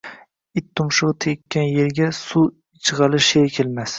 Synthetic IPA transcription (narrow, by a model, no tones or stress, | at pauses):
ɪt̪ʰːʊmʃɨʁt̪ʰekʲːanjeɾɡʲasu | t͡ʃʰɨʁɑlɪʃeɾkʲʰelmas